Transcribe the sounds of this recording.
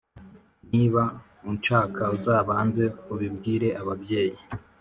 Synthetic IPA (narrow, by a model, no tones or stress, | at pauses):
niβa | unt͡ʃaːkauzaːβaːnze̞kuβib̚ɡiːɾe̞ʔaβabje̞ːji